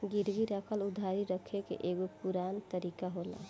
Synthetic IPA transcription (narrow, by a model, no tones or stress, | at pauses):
ɡiɾɡiɾəkʰəlud̪ʱːaɾiɾəkʰekḛʔeɡopuɾant̪əɾikaɦola̰